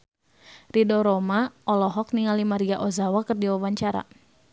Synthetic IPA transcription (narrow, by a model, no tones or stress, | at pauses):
ridɔɾɔmaʔɔlɔɦɔk̚niŋalimaɾiaʔɔzawakɨrdiwawaɲt͡ʃaɾa̰